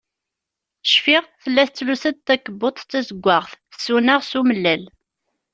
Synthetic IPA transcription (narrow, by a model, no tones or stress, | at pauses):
ʃfɪʁθəlːæθt͡sːlusəd̪̚t̪ːækːəbːot̪ˤt͡sːæzəɡʷːaʁθsːunaʁsuməlːæl